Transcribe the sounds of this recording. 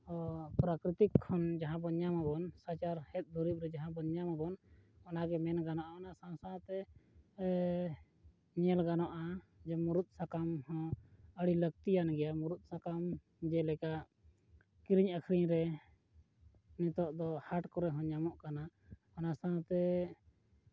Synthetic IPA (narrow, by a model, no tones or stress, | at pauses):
ɔpɾakɾit̪ikʰːɔnd͡ʒaɦãbɔɲamabɔnsat͡ʃaɾhɛt̪̚ˀd̪uɾip̚ˀɾɛd͡ʒaɦãbɔɲamabɔn | ɔnaɡɛmɛnɡanɔʔaɔnasasãt̪ɛ | ɲɛlɡanɔʔad͡ʒɛmuɾut̪̚ˀsakamhɔ̃əɽiləɡ̚t̪ijanɡɛjamuɾut̪̚ˀsakam | d͡ʒɛlɛkaʔ | kiɾiɲəkʰɾiɲɾɛ | nit̪ɔʔd̪ɔhaʈkɔɾɛɦɔ̃ɲamɔʔkana | ɔnasãt̪ɛ